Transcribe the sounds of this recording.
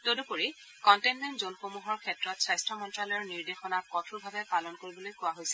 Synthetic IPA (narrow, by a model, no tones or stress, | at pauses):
todupoɹi | kɔntɛnmɛntzonxomuɦɔɹkʰɛtːɹɔtsɹajstɹɔmɔntɹalɔjɔɹniɹdexɔnakːɔtʰuɹbʱabɛpalɔnkoɹibɔlojkʊwaɦojsɛ̥